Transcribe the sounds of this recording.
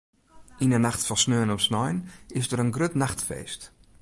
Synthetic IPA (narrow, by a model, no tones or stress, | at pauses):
inənaxtfɔsnøːnɔpsnɔjnɪsdəɾənɡrøtnaxtfḛjst